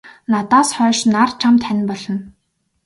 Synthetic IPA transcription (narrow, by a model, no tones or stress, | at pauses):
nat̪aːsχœːʃnart͡ɕʰamt̪ʰænʲpɔɮɞ̆n